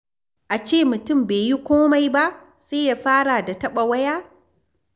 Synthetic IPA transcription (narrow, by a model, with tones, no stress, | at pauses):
ʔa˨t͡ʃeː˦˨mʊ˨tʊ˦˨mbeː˨ji˦kʷoː˦ma˨jba˦ʔ | seː˦ja˨ɸaː˦ɽa˨da˨tɐ˦ɓa˨wɐ˦jaː˦